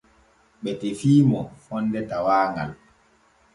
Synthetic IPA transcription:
ɓɛtefiːmɔfɔnːdɛtawaːŋɡa̰l

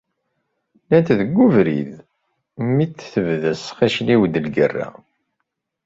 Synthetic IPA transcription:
nænt̪ðəɡʷːuvɾḭð | mit͡sːθəvðəsχiʃliwd̪əlɡərːæ̰

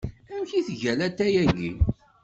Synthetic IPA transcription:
æmçiθʝælæt̪ːæjæʝḭ

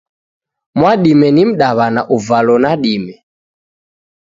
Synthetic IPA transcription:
mwaɗimɛnim̩ɗaβanaʔuvalɔnaɗimɛ

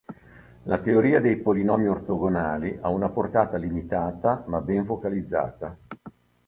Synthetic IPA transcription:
lʔat̪eoɾiːad̪ejpolinɔːmiort̪oɡonaːliʔaunaport̪aːt̪alimit̪aːt̪amabɛɱvokalid̪zːa̰ːt̪a

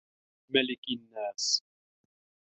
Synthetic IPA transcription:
malɪkɪnːaːs

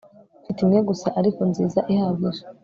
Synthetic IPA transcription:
fitimŋeɡusaʔaɾikonziːzaʔihaβiɾe

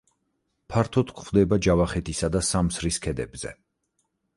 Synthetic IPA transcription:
pʰaɾt̪ʰɔt̪kʰχvd̪ɛbad͡ʒavaχɛt̪ʰisad̪asamsɾiskʰɛd̪ɛ̰bz̥ɛ̰

